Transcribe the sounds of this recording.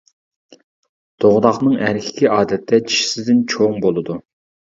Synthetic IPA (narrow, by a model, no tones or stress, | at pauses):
d̪̥oʁd̪ɑχnɨŋæɾkʲʰi̥kʲiʔɑːd̪ɛt̪ʰːɛt͡ʃʰi̥ʃi̥sɪzd̪ɪnt͡ʃʰoŋbolˠɨd̪u